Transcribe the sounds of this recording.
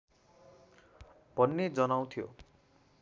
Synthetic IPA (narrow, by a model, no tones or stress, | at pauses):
b̥ʱʌnːed͡zʌnaw̃t̪ʰijo̰